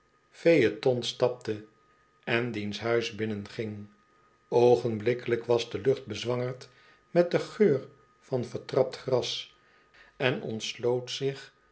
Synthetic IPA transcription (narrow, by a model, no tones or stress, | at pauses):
fejətɔnstɑp̚tə | ɛndinsɦœɥzbɪnənχɪŋ | owχənblɪkələkʋɑzdəlɵχt̚bəzʋɑŋəɹt | mɛt̚dəχøːɹ | fɑnfəɹtrɑp̚tχrɑs | ɛnɔ̰ntslowtsɪχ